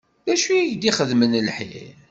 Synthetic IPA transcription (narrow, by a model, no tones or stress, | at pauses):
ðæʃijiʝd̪iχəðmənlħḭl